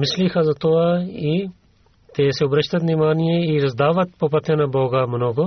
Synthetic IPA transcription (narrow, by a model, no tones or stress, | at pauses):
mislixɐzɐt̪oai | t̪ɛsɛɔbɾɐʃt̪ɐt̪nimaːnijɛiɾɐzd̪aːʋɐt̪̚pop̬ɐt̪ɛnɐbɔːɡɐmnɔɡo